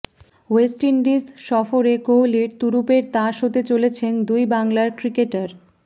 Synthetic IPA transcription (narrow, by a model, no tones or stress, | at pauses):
wesʈiɳɖizʃɔfoɾekoɦliɾt̪uɾupeɾt̪ãʃot̪et͡ɕolet͡ɕʰend̪ujbaŋlaɾkɾikeʈaɾ